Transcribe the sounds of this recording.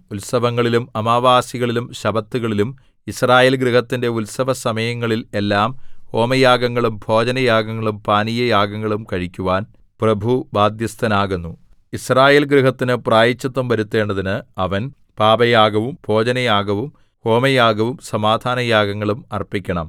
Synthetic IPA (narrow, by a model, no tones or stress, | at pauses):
ulsɐʋɐŋːɐɭilumɐmaːʋaːsiɣɐɭilumɕɐbɐt̪ːuɣɐɭilum | israːjeːlɡɾiɦɐt̪ːinde̞ulsɐʋɐsɐmɐjɐŋːɐɭile̞lːaːmho̞ːmɐjaːɡɐŋːɐɭumbʱo̞ːd͡ʑɐnɐjaːɡɐŋːɐɭumpaːnijɐjaːɡɐŋːɐɭumkɐɻikʲːuʋaːn | prɐbʱubaːd̪jɐst̪ʰɐnaːɣunːu | israːje̞ːlɡriɦɐt̪ːinɨpraːjɐt͡ɕːɐt̪ːɐmʋɐɾut̪ːe̞ːɳɖɐðinɨɐʋɐn | paːbɐjaːɡɐʋumbʱo̞ːd͡ʑɐnɐjaːɡɐʋum | ho̞ːmɐjaːɡɐʋumsɐmaːd̪ʱaːnɐjaːɡɐŋːɐɭumɐrpikʲːɐɳɐm